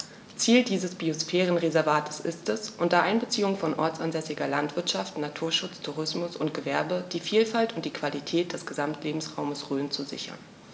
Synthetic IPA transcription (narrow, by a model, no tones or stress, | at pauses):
t͡siːldiːzəsb̥iosfɛːʁənʁezɛɐvaːtʰə̥sʔɪstɛsʔʊntɐʔaɪnbət͡siːʊŋfɔnʔɔɐt͡sanzɛsɪɡɐlantv̥ɪɐtʃaftnatʰuːɐʃʊt͡stʰuʁɪsmʊsʊnt̚ɡ̥əvɛɐbəd̥iːfiːlfaltʊntd̥iːkv̥alitʰɛːt̚d̥ɛsɡ̥əzamtʰleːbm̩sʁaʊməsʁøːnt͡suzɪ̰çɐ̰n